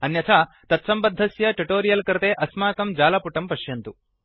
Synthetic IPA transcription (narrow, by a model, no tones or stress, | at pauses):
ɐnjɐt̪ʰa | t̪ɐt̪sɐmbɐd̪ʱːɐsjɐʈiʈoːɾijɐlkɐɾɐt̪eːʔɐsmaːkɐmd͡ʒaːlɐpuʈɐmpɐʃjɐnt̪u